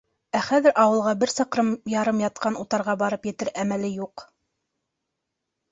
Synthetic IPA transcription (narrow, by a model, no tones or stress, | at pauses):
æχæðɘɾʔɑwɤ̆lˠʁɑbɘɾsɑqɾɤmjɑɾɤmjɑt̪̚qɑnut̪ɑɾʁɑbɑɾɤpjɘ̆t̪ɘɾʔæmælɘjuq